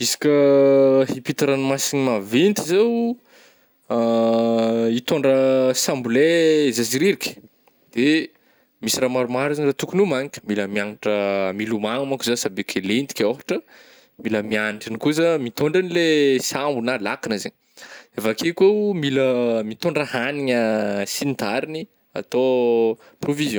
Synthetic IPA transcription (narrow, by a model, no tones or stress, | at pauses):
isi̥kʲəhipit̪aɾanimasinimavent̪izew | it̪oɳɖ͡ʐəsambulezasiɾiɾikʲə̥ | d̪̥e | misiramaɾumaɾizɲrat̪ukunumaɲikʲə̥miləmiaŋaʈ͡ʂəmilumaŋumakuzasabekʰʲelend̪i̥kʲofḁʈ͡ʂə | miləmianiʈ͡ʂinikuzəmit̪oɳɖ͡ʐanilesambunalakinəzeɲ | evakekemiləmit̪oɳɖ͡ʐəhaniɲəsinit̪aɾini | a̰t̪o | provizjɔ̃